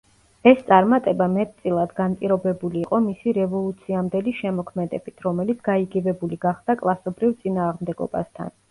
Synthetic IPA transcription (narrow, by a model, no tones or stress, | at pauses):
ɛst̪sʼaɾmat̪ʼɛbamɛt̪̚ʼt̪sʼilˠad̪ɡanpʼiɾɔbɛbuliːqʼɔmisiɾɛvɔlˠut̪sʰiamd̪ɛliʃɛmɔkʰmɛd̪ɛ̰b̥it̪ʰɾɔmɛlit̪sʰɡ̥aiɡɛvɛbuliɡaχd̪̥akʼlˠasɔbɾivt̪sʼinaːʁmd̪ɛɡɔ̰ba̰st̪ʰa̰n